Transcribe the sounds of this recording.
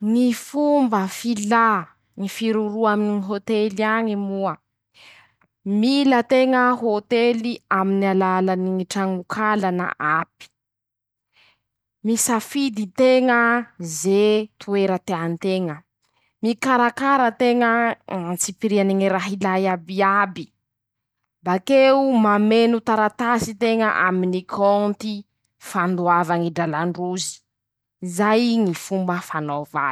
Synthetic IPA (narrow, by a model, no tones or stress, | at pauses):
ŋifumbəfila | ŋifiɾuɾuaminiiɦot̪eliaɲimuə | milət̪eŋəɦot̪eliaminalalaniŋiʈ͡ʂaŋukʰalana̰ʔapi̥ | misafid̪it̪eŋəzet̪ʰueɾət̪eant̪eŋə | mikaɾakaɾət̪eŋəat͡sipiɾianiŋiɾaɦilajabiabi | bakeumamenut̪aɾat̪asit̪eŋəʔa̰minikʰɔnt̪i | fand̪uavaŋiɖ͡ʐalaɳɖ͡ʐuzi̥ | zajŋifumbəfanova